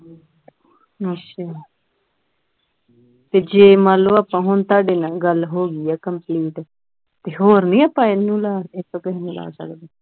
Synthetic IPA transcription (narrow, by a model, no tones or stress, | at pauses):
ət͡ʃʰaː | t̪eːd͡ʒeːmaːloːaːpãːɦʊnt̪aːɖeːnaːɡəlɦoːɡiːɛːkəmpliːʈː | t̪eːɦoːɾnĩːəpãːɪnũːlaːɪt̪ːokeɦnũːla̰ːsə̰kd̪eː